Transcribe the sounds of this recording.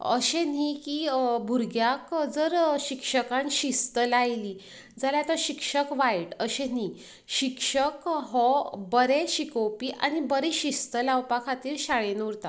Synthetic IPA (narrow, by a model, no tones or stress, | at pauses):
ə̰ɕenikibʱuɾɡjakd͡zəɾɕikʂəkãnɕist̪əlajli | d͡zaljat̪aɕikʂəkʋajʈəɕen̤i | ɕikʂəkɦɔbəɾeɕikowpiʔa̰ñibəɾeɕist̪əlawpakʰat̪iːɾɕaɭenuɾt̪a